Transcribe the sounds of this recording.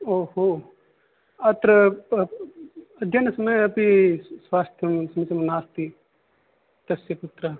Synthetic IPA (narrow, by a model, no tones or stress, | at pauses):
oːhoː | ɐt̪ɾə | ɐd̪jɐnsɐməjɐpiswaːst̪ʰjɐmsɐmisɐmnaːst̪i | t̪ɐsjɐput̪ɾa